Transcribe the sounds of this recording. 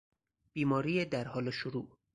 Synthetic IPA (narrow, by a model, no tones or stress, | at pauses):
b̥iːmɒːɾiːjed̪æɾhɒːleʃoɾuː